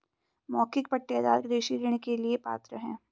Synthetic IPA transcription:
mɔːkɪk̚pɐʈːeːd̪a̰ːɾɡɾeːʃiɾeːɽ̃ekeliepa̰ːt̪ɾəɦɛ̰̃ː

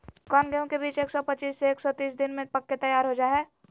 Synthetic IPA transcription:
kɔːnɡəjõkebiːt͡ʃeːksɔpət͡ʃiːsːeeːksɔt̪iːs̬d̪ɪnmẽpəkːet̪ɐjaːɾɦod͡ʒaːɦɛː

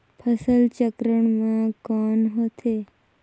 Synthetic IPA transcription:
pʰəsəlt͡ʃəkɾəɳmãkɔnɦot̪ʰe

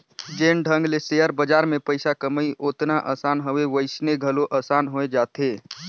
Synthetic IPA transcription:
d͡ʒeːnɖʱə̃ŋɡlesejəɾbəd͡ʒaːɾmẽpəɪsakəməiʔoːt̪naʔəːsaːnɦoʋeʋəɪsneɡʱəloʔəːsaːnɦoed͡ʒaːt̪eː

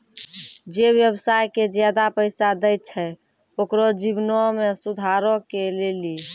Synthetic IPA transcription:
d͡ʒeβjəbsajked͡ʒjad̪apəɪsad̪əjt̚t͡ʃʰɛ | okɾɔd͡ʒibnɔmesud̪ʱaɾɔkeleli

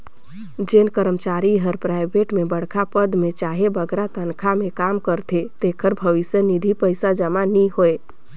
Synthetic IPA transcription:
d͡ʒenkəɾəmt͡ʃaɾiɦəɾpɾaɪbʱeʈmebəɽ̤kʰapəd̪met͡ʃaɦebəɡɾat̪ənkʰamekamkəɾt̪ʰet̪ekʰəɾbʱəʋisjənid̪ʱipəɪsad͡ʒəmaniɦoe

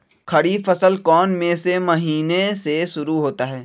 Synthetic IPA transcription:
kʰɐɽifɐsəlkɔːnmẽsemɐɦiːneseʃʊɾuɦoːt̪aɦɛː

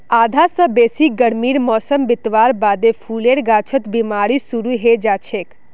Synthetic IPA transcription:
aːd̪ʱasə̃beːsik̚ɡəɽmiːɾmɔːsəmbɪt̪ʋaːɾbaːd̪epʰuleɾɡaːt͡ʃʰət̪bimaːɾisuɾuɦed͡ʒaːt͡ʃʰeːk

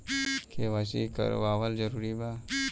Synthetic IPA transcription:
kʰeʋasikə̰ɾ̰baːʋəld͡ʒəɾuːɾiba

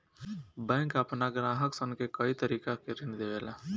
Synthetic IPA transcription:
bɛ̃ŋkapnaɡɾãːɦəksə̃ŋkekəit̪əɾiːkakeɾind̪ebela

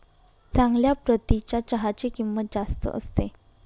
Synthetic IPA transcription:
t͡sãŋɡljapɾət̪it͡ɕjat͡ɕəɦat͡ɕekimːət̪̚d͡zast̪ə̰ʔə̰st̪e

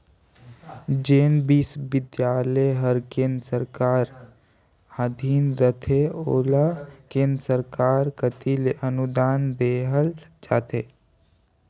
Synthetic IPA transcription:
d͡ʒeːnbiːsʋɪd̪jaːləɦəɾkẽːnd̪ɾəsəɾkaːɾ | aːd̪ʱiːnɾət̪ʰeoːlakẽːnd̪ɾəsəɾkaːɾkət̪ileʔənʊd̪aːnd̪eːɦəlt͡ʃaːt̪ʰeː

